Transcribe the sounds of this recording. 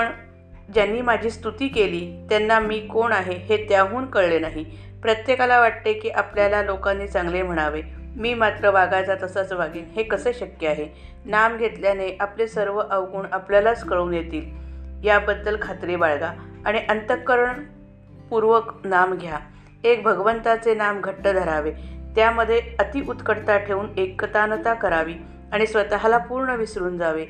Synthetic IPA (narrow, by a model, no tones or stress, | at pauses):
pəɳ | d͡ʑjanːiːmad͡ʑʱiːst̪ut̪iːkeliːt̪janːamiːkoɳaɦeɦet̪jaɦuːnkəɭlenaɦi | pɾət̪jekalaʋaʈ̚t̪ekiːʔapljalalokãnːiːt͡sãŋɡlem̤əɽ̃aʋemiːmat̪ɾəʋaɡajt͡sat̪əsat͡səʋaɡehekəsəːɕəkjəaɦe | namɡʱet̪ljaneʔaplesəɾʋəʔəʋɡuːɳapljalaskəɭuːnjet̪iːljabəd̪ːəlkʰat̪ɾebaɭɡaaɽ̃iʔənt̪əkəɾəɳ | puɾʋəknamɡʱja | ek̚bʱəɡʋənt̪at͡senamɡʱəʈːəd̪ʱəɾaʋet̪jaməd̪ʱːjeət̪iʔut̪kəɽt̪aʈʰeuːnekːət̪anət̪akəɾaʋiː | aɽ̃isʋət̪aɦalapuːɾɳəʋisɾuːnd͡zaʋe